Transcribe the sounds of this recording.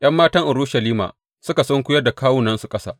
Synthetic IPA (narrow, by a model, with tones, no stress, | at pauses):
j̰ɐ˦mːaː˦tɐ˦ŋʔʊ˨ɾuː˦ʃɐ˨liː˦ma̰ː˨ | sʊ˦ka˨sɔ˦ŋkʷʊ˦jɐ˦da˨kaː˦wʊ˦nɐ˦nsu˨kʼɐ˦sa̰ː˦